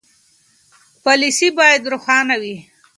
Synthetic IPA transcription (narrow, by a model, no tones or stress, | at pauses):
pɑlisibɑjad̪ɾʊxɑnawi